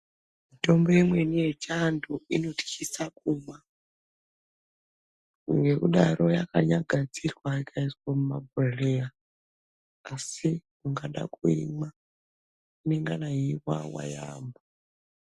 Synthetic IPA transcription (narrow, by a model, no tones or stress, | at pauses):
mito̞mbo̞jemwe̞nije̞t͡ʃanduino̞ti̥kisak̚uːma | ŋɡe̞kuɗarʔo̞jakaɲaɡʱad͡zirwaikaiswamumabʱoreja | sikuŋɡaɗa̰kuḭma | uneŋɡanaiwa̰wa̰ja̰ːmbo